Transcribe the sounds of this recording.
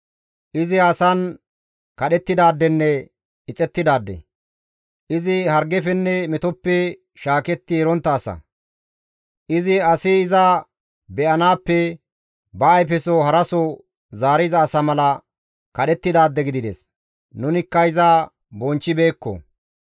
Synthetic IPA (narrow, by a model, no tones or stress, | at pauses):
ʔɪzɪɐsɐn | kɐɗɛt̪ːɪd̪aːd̪ːɛnːɛ | ɪt͡sʼɛt̪ːɪd̪aːd̪ːɛ̰ | ʔɪzɪhɐɾɡɛfɛnːɛmɪt̪ɔpːɛ | ʃaːkɛt̪ːɪɛɾɔnt̪ːɐːsɐ̰ | ʔɪzɪɐsɪɪzɐ | bɛʔɐnaːpːɛ | bɐːjfɛsɔɦɐɾɐsɔ | zaːɾɪzɐːsɐmɐlɐ | kɐɗɛt̪ːɪd̪aːd̪ːɛɡɪd̪ɪd̪ɛs | nʊnɪkːɐɪzɐ | bɔnt͡ʃːɪbe̞ːkːɔ̰